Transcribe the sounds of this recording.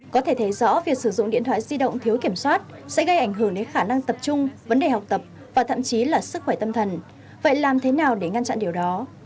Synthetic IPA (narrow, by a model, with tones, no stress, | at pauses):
kɔ˨˦t̪ʰe˧˩t̪ʰe˨˦zɔ̰˧˥vi˨˩ək̚sɨ˧˩zʊ̰˧˨ŋ͡mɗḭ˧ənt̪ʰwaː˧˨zi˧ɗə̰˧˨wŋ͡mt̪ʰi˨˦wki˧˩əmswaː˦˥t̚sɛ̰˧˥ɣə˧jʔa˧˩jŋ̟ɦɨ˧˩əŋɗe˨˦nxaː˧˩na˧ŋt̪ə˨˩p̚t͡ɕʊ˧ŋ͡mvə˨˦nɗe˨˩ɦa˨˩wk͡p̚t̪ə˨˩p̚ | vaː˨˩t̪ʰə̰˧˨mt͡ɕi˨˦laː˨˩sɨ˦˥k̚xwɛ˧˩t̪ə˧mt̪ʰə˨˩n | və̰˧˨jlaː˨˩mt̪ʰe˨˦naː˨˩wɗe˧˩ŋa˧nt͡ɕa̰˧˨nɗi˨˩əwɗɔ˨˦